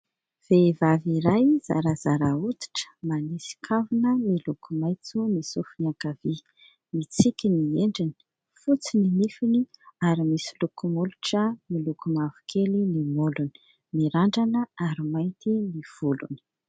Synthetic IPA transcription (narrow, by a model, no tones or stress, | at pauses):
v̥evaviɾajz̥a̰ɾazaɾaut̪i̥ʈ͡ʂə̥manisi̥kʰavunəmilukʰumajt͡sumisufniakavi | mit͡sikʲinieɳɖ͡ʐini̥ | fut͡sininifiniaɾimisilukumuluʈ͡ʂəmilukumavu̥kʰelinimoluni̥ | miɾaɳɖ͡ʐanəaɾimajnt̪iniv̥ulṵni̥